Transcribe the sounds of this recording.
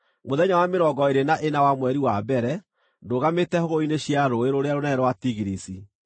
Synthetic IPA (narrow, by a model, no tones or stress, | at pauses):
moðɛɲawameɾɔɡɔeɾenaʔenawamwɛɾiwabɛɾɛ | ndoɣametɛhoɣoineɕjaɾoeɾoɾeaɾonɛɾwatiɣiɾisi